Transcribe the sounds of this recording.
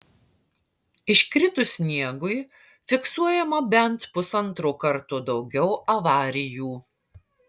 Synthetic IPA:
ɪʃʲkɾʲɪt̪ʊsʲnʲiɛɡʊɪ | fʲɪksuɔjɛmɐbʲɛnt̪pʊsɐnt̪ɾukɐɾt̪ʊd̪ɒʊɡʲɛʊɐʋɑːɾʲɪjuː

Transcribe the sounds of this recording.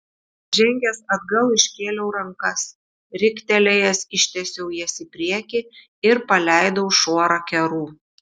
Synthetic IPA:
ʒʲɛŋʲɡʲɛsɐd̪ɡɐlˠɪʃʲkʲeːlʲɛʊɾɐŋkɐs | ɾʲɪkʲt̪ʲɛlʲɛjɛsɪʃʲt̪ʲɛsʲɛʊjɛsʲɪpʲɾʲiɛkʲɪ | ɪɾpɐlʲæˑɪd̪ɐʊʃoɔɾɐkʲɛɾuː

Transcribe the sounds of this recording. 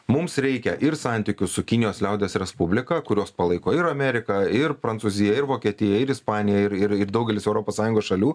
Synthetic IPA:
mʊmsɾʲɛɪkʲɛʔɪɾsɑˑnʲt̪ʲiːkʲʊssʊkʲɪnʲɪjoːslʲɛʊd̪ʲɛːsɾʲɛspʊbʲlʲɪkɐkʊɾʲoːspɐlˠɐɪkoːɪɾɐmʲɛɾʲɪkɐɪɾpɾɐnt̪suːzʲɪjɛɪɾʋoːkʲiɛt̪ʲɪjɛɪɾɪspɑːnʲɪjɛɪɾɪɾɪɾd̪ɐʊɡʲɛlʲɪsɛʊɾoːpoːssɑːjʊ̃ŋɡoːsʃɐlʲuː

